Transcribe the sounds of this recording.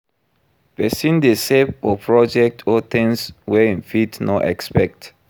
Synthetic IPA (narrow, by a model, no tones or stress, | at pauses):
b̥ɛsĩndesɛpɔpʰɹɔd͡ʒɛk̚tʰɔt̪ɛ̃nswɛĩnfitnɔʔɛ̰kspɛk̚t